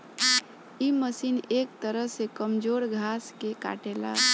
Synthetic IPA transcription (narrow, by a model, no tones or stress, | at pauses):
iməsinek̚t̪əɾəɦsekəmd͡ʒoɾɡʱaskeka̰ʈela̰